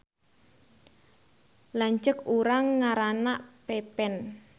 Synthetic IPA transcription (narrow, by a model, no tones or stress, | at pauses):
laɲt͡ʃəkuɾaŋːaɾanaʔpepɛn